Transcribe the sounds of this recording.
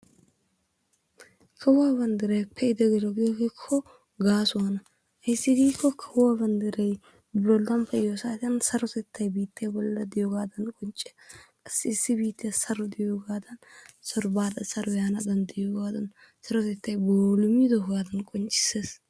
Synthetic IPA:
kʰɐwʊwaːbɐnd̪ɪɾɐjpʰːɛɪd̪ɛɡɛlɔɡiɡikʰːɔ | ɡaːsʊɐnɐ | hɐjsːɪɡiːkːɔkʰɐwʊwabɐnd̪ɪɾɐj | blɔlːɐmpʰɐjosaːt̪ɪjɐnsɐɾɔt̪ɛt̪ːɐjbiːt̪ːɪjɐbɔlːɐd̪ɪjɔɡaːd̪ɐnkʼɔnt͡ʃʼːɛ̥kʼɐsːɪɪsːɪbiːt̪ːɪjɐsɐɾɔd̪ɪjɔɡaːd̪ɐnsɐɾɔbaːd̪ɐsɐɾɔjanɐd̪ɐnd̪ɪjɔɡaːd̪ɐn | sɐɾɔt̪ɛt̪ːɐjboːlʊmid̪ɔhɡaːd̪ɐnkʼɔnt͡ʃʼːɪ̥seːs

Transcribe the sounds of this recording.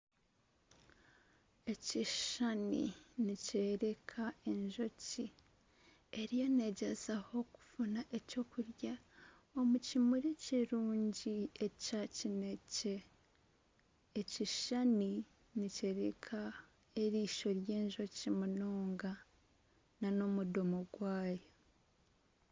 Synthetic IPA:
e̞ciʃanḭniceɾe̞kʰae̞ɲʒo̞ci | e̞ɾijo̞ne̞ɟezaho̞ku̥vunaʔe̞co̞ːkuɾja | o̞mucimuɾeciɾuːɲɟie̞cacinece̞ | ciʃani | nice̞ɾekʰa | eɾiːʃo̞ɾje̞ːɲʒo̞cimuno̞ːŋɡa | nano̞mudomoɡwaːjo̞

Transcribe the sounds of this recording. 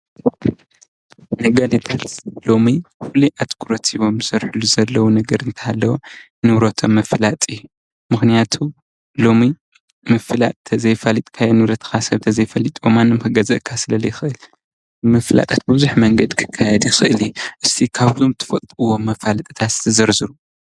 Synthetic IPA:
nɐɡalip̪ʰɐlslo̞mifuliʔat̪ʼɡuɾot̪ʰiβo̞mzɐɾħulːuzɐlːɐwunɐɡɐɾɨnt̪ʰɐ̥halːɐwo | nɨβɾot̪ʰomːɐflat̪ʼijːu | mɨxnijat̪ʰu | lo̞mi | mɐflat̪ʼt̪ʰɐzɐjfalit̪ʼkʰajɐnɨβɾɐt̪ʰxasɐβt̪ʰɐzɐjfɐlit̪ʼomanːomhɨɡɐzɐ̰ʔkʰːasɨlɐlɐjɪxʔɨl | mɐfla̰t̪ʼat̪̚bɨβzuħmɐŋɡɐd̪kʰɨ̥kʰːajɛd̪jixɨʔɨliuʔɨst̪ʰikʰaβzʰomt̪ʰɨ̥fɐt̪ʼuwomɐfalɐt̪ʼɨt̪ʰat̪zɨ̥t̪ʰɐzɐɾzɨɾu

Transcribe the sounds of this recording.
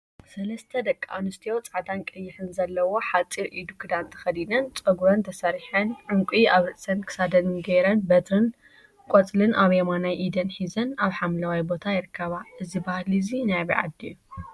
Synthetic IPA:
sɐlɐst̪ʰɐd̪ɐkʼːa̰nɨst̪ʰijo̞t͡sʼaʕt̪ʰankʼɨjːɪħɨnzɐlːɐwo̞ħat͡sʼiɾʔid̪ukʰɨd̪ant̪ʰɐ̥xɐd̪inɐnt͡sʼɐɡuɾɐnt̪ʰɐsɐɾiħɐnʕɨŋkʷʼiaβɾɨʔsɐnkʰɨ̥sad̪ɐnɡeɾɐnbɐt̪ʰɾɨn | kʼot͡sʼlɨnʔaβemanajʔid̪ɐnħizɐnaβħamlɐwajbo̞t̪ʰajɪɾɨkʰːɐβaʔɨzibahlizinajβiʕa̰d̪iju

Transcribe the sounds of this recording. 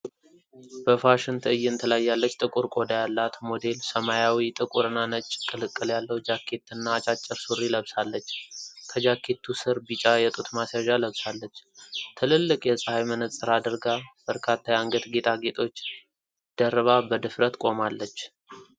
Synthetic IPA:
bəfaʃɪnt̪ʰɨɨjːɪnt̪ʰəlajːalːət͡ʃːt̪ʼɨkʼuɾkʼo̞d̪ajalːat̪mo̞d̪e̞lsəmajawit̪ʼɨkʼuɾɨnːanət͡ʃʼːkʼɨlɨkʼːɨljalːəwd͡ʒakʰːe̞t̪ʰːɨnːat͡ʃʼat͡ʃʼːɪɾsurːiləβsalːət͡ʃːkʰəd͡ʒakʰːe̞t̪ʰːusɨɾbit͡ʃʼajɛt̪ʼut̪masaʒaləβsalːət͡ʃːt̪ʰɨlɨlːɨkʼjɛsʼhajmənəsʼɨɾad̪əɾɡab̥əɾkʰat̪ːajaŋɡəd̪ɡe̞t̪ʰʼaɡe̞t̪ʰʼo̞t͡ʃː | d̪̥ərβabəd̪ɨfɾət̪kʼo̞malːət͡ʃː

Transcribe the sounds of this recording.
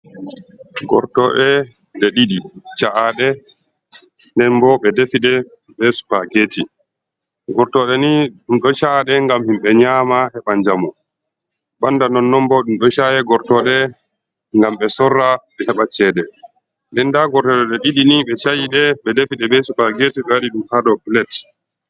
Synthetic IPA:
ɡɔ̰ɾtɔɗɛ | ɗɛɗiɗit͡ʃaʔaɗɛ | ndɛnbɔɓɛdefiɗɛ | bɛsu̥paɡeːti | ɡɔɾtɔɗɛniɗumɗɔʃaːɗɛŋɡamhimɓɛɲaːmahɛɓaɲd͡ʒamu | bandanɔnːɔmbɔɗumɗɔʃajɛɡɔɾtɔɗɛ | ŋɡamɓɛsɔrːaɓɛhɛɓat͡ʃɛːɗɛ | ndɛndaɡɔɾtɔɗɔɗɛɗiɗiniɓɛt͡ʃajiɗɛɓɛdefiɗɛbɛsupaɡetiɓɛwaɗiɗumhaɗɔpilɛt

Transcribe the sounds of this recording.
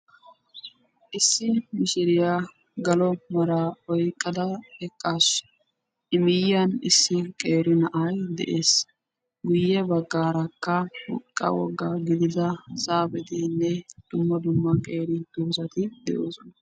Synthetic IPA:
ʔɪsːɪmɪʃɪɾɪja | ɡɐlɔmɐɾaːɔjkʼːɐd̪ɐhɛkʼːaːʃ | ɪmɪjːɐnɪsːɪkʼeːɾɪnɐʔɐjd̪ɛ̰ʔe̞ːs | ɡʊjːɛbɐɡːaːɾɐkːɐwɔ̰kʼːɐ̰wɔ̰ɡːɐɡɪd̪ɪd̪ɐsaːbɛt̪ɪnːɛd̪̥ʊmːɐd̪ʊmːɐkʼeːɾɪd̪̥ʊmsɐt̪ɪd̪ɛ̰ʔoːsɔnɐ

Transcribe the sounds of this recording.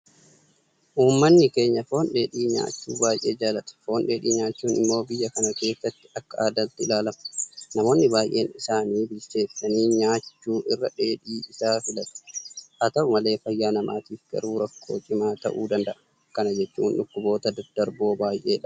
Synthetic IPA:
ʔuːmːɐnːɪke̞ːɲːɐfo̞ːnᶑe̞ːᶑiːɲa̰ːt͡ʃːuːbaːjʔe̞ːd͡ʒaːlɐt̪ɐ̥fo̞ːnᶑe̞ːᶑḭːɲaːt͡ʃːuːnɪmːo̞ːbɪjːɐkɐnɐke̞ːsːɐt̪ːɪ̥ɐkːɐʔaːd̪ɐt̪ːɪɪlaːlɐmɐ̥nɐmo̞ːnːɪbaːjʔe̞̰ːnɪsaːniːbɪlse̞ːsːɐniːɲaːt͡ʃːuːʔɪrːɐᶑe̞ːᶑiːɪsaːfɪlɐt̪ɐ̥ʔɐt̪ɐʊmɐle̞ːfɐjːaːnɐma̰ːt̪iːfɡ̥ɐ̰ɾuːɾɐkːo̞ːt͡ʃʼɪmaːt̪ɐ̰ʔuːd̪ɐnd̪ɐʔɐ̥ | kɐnɐd͡ʒɛt͡ʃːṵːnᶑʊkːʊbo̞ːt̪ɐd̪ɐd̪̥ɐɾbo̞ːbaːjʔe̞̰ːᶑɐ

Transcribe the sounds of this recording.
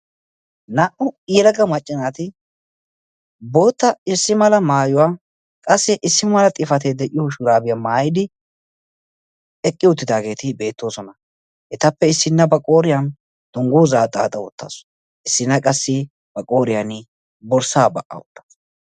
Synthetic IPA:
naːʔʊijɛlɐɡɐmɐt͡ʃʼːɪnaːt̪ɪ | bo̞ːt̪ːɐɪsːɪmɐlɐmaːjʊwaː | kʼɐsːɪʔɪsːɪmɐlɐt̪ʼɪfɐt̪eːd̪ɛʔɪjoʃʊɾaːbɪjamaːjɪd̪ɪ | ɛkʼːɪʊt̪ːɪd̪aːɡe̞ːt̪ɪbe̞ːt̪ːo̞ːsɔnɐ | hɛt̪ɐpːɛɪsːɪnːɐbɐkʼo̞ːɾɪjɐn | d̪̥ʊŋɡuːzaːt̪ʼaːt̪ʼɐwɔt̪ːa̰ːsɔ̥ | ɪsːɪnːɐkʼɐsːɪ | b̥ɐkʼo̞ːɾɪjɐn | bɔɾsaːbɐʔɐ̰ʊt̪ːɐ̥

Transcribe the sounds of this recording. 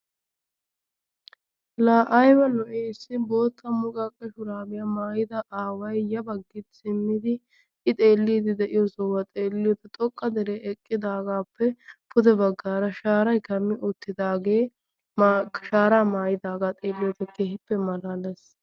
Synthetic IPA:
laːʔɐjbɐlɔʔeːsːɪbo̞ːt̪ʰːɐmʊkʼɐkʼːɛʃʊɾaːbɪjɐmaːjɪd̪ɐʔaːwɐjjɐbɐɡːɪt̪sɪmːɪd̪ɪ | ʔɪt̪ʼeːlːiːd̪ɪd̪ɛʔɪjɔsɔwɐt̪ʼeːlːɪjɔt̪ɐt̪ʼɔkʼːɐd̪ɛɾeːʔɛkʼːɪd̪aːɡaːpʰːɛpʊd̪ɛbɐɡːaːɾɐʃaːɾɐjkɐmːɪʔʊt̪ːɪd̪aːɡeː | ʃaːɾaːmaːjɪd̪aːɡaːt̪ʼe̞ːlːɪjɔpːɛkeːhɪpːɛmɐlalɛs

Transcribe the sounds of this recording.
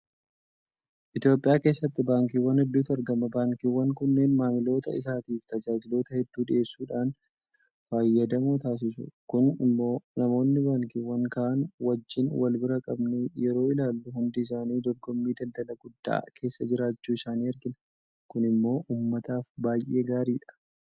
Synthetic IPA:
ʔɪt̪jo̞ːpʼɪjaːke̞ːsːɐt̪ːɪbaːŋkiːwɐnhɛd̪ːuːt̪ɐɾɡɐmɐbaːŋkiːwːɐŋkʊnːe̞ːnmaːmɪlo̞ːt̪ɐ̰ɪ̰s̬aːt̪iːft̪ɐd͡ʒaːd͡ʒɪlo̞ːt̪ɐhɛd̪ːuːdɪʔe̞ːsːuːᶑaːn | faːjːɐd̪ɐmuːt̪aːs̬ɪs̬ʊ̰kʊnɪmːo̞ːnɐmo̞ːnːɪbaːŋkiwːɐŋkɐʔɐnwɐd͡ʒːɪnwɐlbɪɾɐkʼɐbnɛjɛɾo̞ːɪlaːlːʊhʊnd̪ɪːs̬aːniːd̪ɔɾɡɔmːiːd̪ɐld̪ɐlɐɡʊd̪ːa̰ːkʰe̞ːsːɐd͡ʒɪɾaːt͡ʃːuːɪsaːniːɐɾɡɪnɐ | kʊnɪmːo̞ːʔuːmːɐt̪aːfbaːjʔe̞ːɡaːɾiːᶑɐ̥

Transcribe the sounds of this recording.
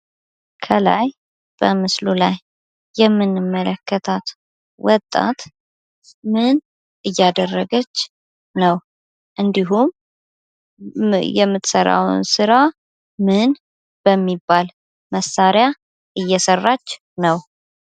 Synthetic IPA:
kʰəla̰j | b̥əmɨslulajː | ɛmːɨnːɨmːələkʰːət̪ʰat̪ | wɔt̪ʼːa̰t̪ | mɨn | ʔɨjːad̪ərːəɡət͡ʃː | nəw | ʔɨnd̪iɦum | jɛmːɨt̪səɾa̰w̰nsɨɾa | mɨn | b̥əmːibːal | məsːaɾja | ʔɨjːɛsərːat͡ʃː | nəw

